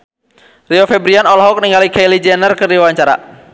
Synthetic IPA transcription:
riɔfɛbɾianɔlɦɔk̚niŋɡalikajlid͡ʒɛnərkərdiwawaɲt͡ʃaɾa̰

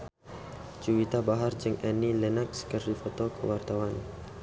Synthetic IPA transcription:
d͡ʒuwit̪abaɦard͡ʒəŋɛnilɛnakskərdifɔt̪ɔkʰə̰wart̪awan

